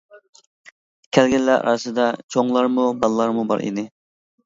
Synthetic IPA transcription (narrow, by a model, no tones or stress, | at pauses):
kʲʰælɡʲɛlːæɾ̰ɾɑ̰sɨd̪ɑt͡ʃʰoŋlˠɑɾmubɑlˠlˠɑɾmubɑ̰ɾʔḭd̪ɪ